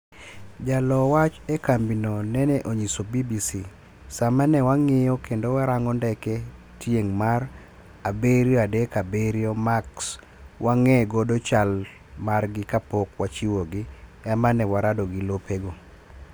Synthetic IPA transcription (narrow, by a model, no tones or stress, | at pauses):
d͡ʒalɔwat͡ʃekambinonɛnɛʔoɲisobibisi | samanɛwaŋɪjɔkendowaɾaŋɔndɛkɛ | tjeŋmar | abeɾjɔadekabeɾjɔmaks | wʔaŋɛɡodot͡ʃal | marɡɪkapokwat͡ʃiwoɡɪɛmanɛwaɾadɔɡɪlopeɡo